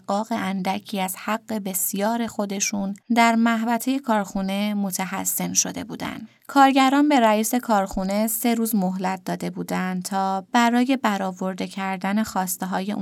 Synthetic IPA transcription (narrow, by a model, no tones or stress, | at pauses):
ɡːɒːɣe̞ʔænd̪æcʰiːæz̥hæɣːe̞be̞sjɒːɾe̞xo̞d̪e̞ʃund̪æɾmæɦvæt̪ʰe̞je̞kʰɒːɾxune̞mo̞t̪ʰæɦæ̰sːe̞nʃo̞d̪e̞̰bṵːd̪æ̰nd̪̥ | kʰɒːɾɟæɾɒːnbe̞ɾæiːse̞kʰɒːɾxune̞se̞ɾuːzmo̞ɦlæt̪̚d̪ɒːd̪e̞buːd̪ænd̪t̪ʰɒːb̥æɾɒːje̞bæɾɒːvo̞ɾd̪e̞cʰæɾd̪æne̞xɒːst̪e̞ɦɒːje̞